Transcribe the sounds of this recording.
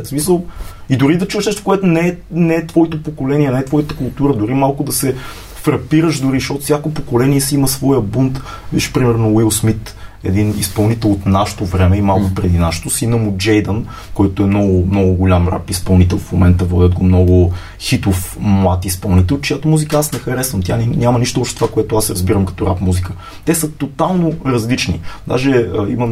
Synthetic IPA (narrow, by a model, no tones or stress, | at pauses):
smisəlˠid̪ʊɾid̪ɐt͡ʃuvɛʃnɛʃt̪o̥koɛt̪onɛɛnɛːt̪vɔit̪opokolɛniɛnɛɛt̪vɔjit̪əkʊlˠt̪uɾəd̪ʊɾimalˠkʊd̪ɐsɛ | fɾɐpiɾəʃd̪ʊɾiʃɔt̪sʲjakopokolɛniɛsiiməsvɔjəbunt̪ | vḭʃpɾimɛɾnowilˠsmit̪ | ɛ̰d̪inḭspɐlˠnit̪ɛlˠot̪naʃə̥t̪ovɾɛmɛimalˠkʊpɾɛd̪inaʃt̪ʊsinəmud͡ʒɛjd̪ən | kɔjt̪oɛmnɔɡʊmnɔɡʊɡolʲamɾa̰pispɐlˠnit̪ɛlˠfmomɛnt̪əvɔd̪ʲəd̪ɡomnɔɡʊ | xit̪ofmlˠat̪ispɐlˠnit̪ɛlˠt͡ʃɛjat̪omuzikəasnɛxɐɾɛsvəmt̪ʲjannʲamɐniʃt̪oɔpʃt̪ɛt̪ovakoɛt̪oasɾɐzbiɾəmkɐ̥t̪ɔɾapmuzikə | t̪ɛsət̪ot̪alˠnoɾɐzlit͡ʃnḭd̪a̰ʒɛəiməm